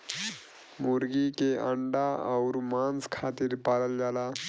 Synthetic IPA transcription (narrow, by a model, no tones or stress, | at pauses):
muɾɡikeəɳɖaəwɾmanskʰat̪iːɾpaləld͡ʒala